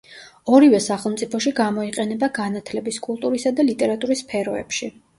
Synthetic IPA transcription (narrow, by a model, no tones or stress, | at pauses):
ɔɾivɛsaχɛlˠmt̪sʼipʰɔʃiɡamɔiqʼɛnɛbaɡanat̪ʰlɛbiskʼulˠt̪ʼuɾisad̪alit̪ʼɛɾat̪ʼuɾispʰɛɾɔɛ̰pʃi